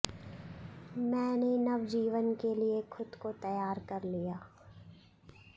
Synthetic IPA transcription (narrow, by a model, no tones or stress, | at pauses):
mɛ̃ːnenɐʋd͡ʒiːʋənkeliexʰʊd̪kot̪ɐjaːɾkɐɾlijaː